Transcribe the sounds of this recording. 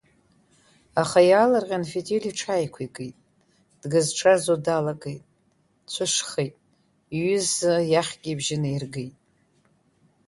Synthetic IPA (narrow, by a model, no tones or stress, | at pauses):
aχajaːlarqʲʼanfetʰʼeliʈ͡ʂʰajkʷʰaikʼejtʼ | d̥ɡɨzʈ͡ʂʰazodalakʼejtʼ | t͡ɕʷʰɨʂχejtʼ | ɥʏzɨjaχʲɡʲʼibʒɪnairɡejtʼ